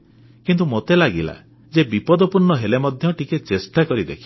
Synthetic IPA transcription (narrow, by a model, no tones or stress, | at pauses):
kint̪umot̪elaɡila̰ | d͡ʒebipɔd̪ɔpuɾɳɔɦelemɔd̪ʱjɔʈʰiket͡ʃesʈakɔɾid̪ḛkʰi